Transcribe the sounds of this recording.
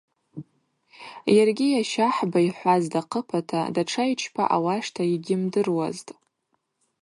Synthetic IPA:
jarɡʲijaʃaħbaiħʷazdaqʰəpʰatʰadaʈ͡ʂʰajt͡ʃʰpʰa̰ʔawaʂtʰaiɡʲɪmdɨrwa̰ztʼ

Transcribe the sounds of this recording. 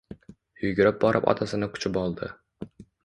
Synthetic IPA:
jʊɡʲɾɪp̚bɒɾʔɪpɒ̰t̪ʰasɪnɪkʰʊ̥t͡ʃʰɪpɒlˠd̪ɪ̰

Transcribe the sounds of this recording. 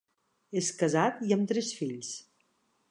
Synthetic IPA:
eskəzat̪iəmt̪ɾɛsfiʎs

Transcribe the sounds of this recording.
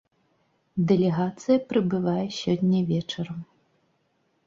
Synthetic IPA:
d̪ɛlʲɛɣat̪sɨjɐpɾɨbɨvajɛsʲɔnʲːɐvʲɛt͡ʂɐɾɐm

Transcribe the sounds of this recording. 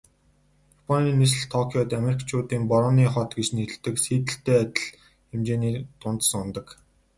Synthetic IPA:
japʰɔniːnis̬ɘ̆ɮt̪ʰɔkʰjɔt̪ameɾikt͡ɕʰʊːt̪iːmpɔɾɔniːχɔt̪ɡet͡ɕniɘ̆t̪ɘ̆ksiːt̪ɘ̆ɬt̪eːæt̪ʲɪ̆ɮ | xemt͡ɕeːniːt̪ʊnt̪sə̆ŋʊnt̪ə̆k

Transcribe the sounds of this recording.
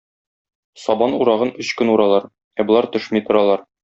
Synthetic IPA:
sɒbɑnuɾɑʁɤnɵɕkɵnuɾɑlˠɑɾ | æbŏlˠɑɾt̪ɵ̆ʃmit̪ŏɾɑlˠɑɾ

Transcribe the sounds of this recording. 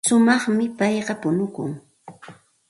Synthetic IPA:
ʃʊmɑχmɪpɑjɢɑpʊnʊkʊ̰ŋ

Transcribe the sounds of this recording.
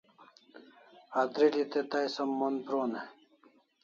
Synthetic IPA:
at̪ɾilit̪et̪ajsɐmːonpɾone

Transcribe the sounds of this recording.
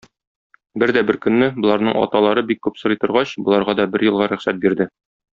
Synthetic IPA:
bɘɾd̪æbɘɾkɵ̆nːɘbŏlˠɑɾnɤɴɒ̰t̪ɑlˠɑɾɤbikːʉpsɤ̆ɾɤjt̪ɤ̆ɾʁɑɕbŏlˠɑɾʁɑd̪ɒbɘɾjɤ̆lˠʁɑɾɵ̆χsæt̪̚biɾd̪ɘ

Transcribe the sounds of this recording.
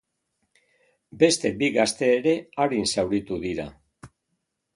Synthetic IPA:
be̞st̪e̞biɣast̪e̞ːɾe̞aɾinsawɾit̪uðiɾa̰

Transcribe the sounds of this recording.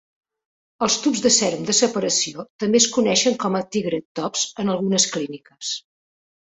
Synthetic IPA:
əlˠst̪upzðəsɛɾmd̪əsəpəɾəsiot̪əmbeskunɛʃəŋkɔmət̪iɣɾət̪ːɔpz̥ənəlˠɣunəsklinikəs

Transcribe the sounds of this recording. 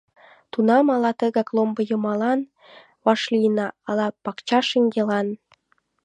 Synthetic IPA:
t̪unɑmɑlɑt̪əɣɑklombɤ̆jə̆mɑlɑn | βɑʃlijnɑːlɑpɑkt͡ɕɑʃəŋɡelɑn

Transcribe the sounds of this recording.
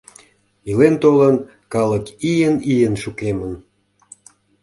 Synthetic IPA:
ilent̪olən | kɑləkijənijənʃukemən

